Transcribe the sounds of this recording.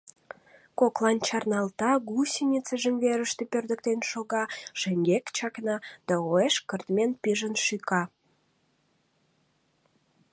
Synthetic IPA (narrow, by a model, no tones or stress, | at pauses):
koklɑnt͡ɕɑrnɑlt̪ɑɣusinʲit͡səʒəmveɾəʃt̪epørd̪ək̚t̪enʃoɣɑʃeŋɡekt͡ɕɑknɑd̪̥ɑoeʃkərt̪menpiʒənʃykɑ